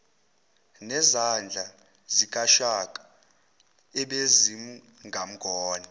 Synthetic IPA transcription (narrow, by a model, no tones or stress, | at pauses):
nɛzand͡ɮʱa | zik̬ʼaʃakʼḁ | ɛɓezimu | ŋʱam̩ɡ̥ʱɔːni